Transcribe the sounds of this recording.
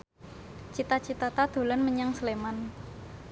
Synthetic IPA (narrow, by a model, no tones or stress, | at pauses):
t͡ʃit̪at͡ʃit̪at̪ad̪̥o̤lanməɲaŋsəleman